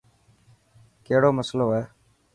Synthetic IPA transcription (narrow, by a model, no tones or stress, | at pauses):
keːɦɽoːməsloːɛː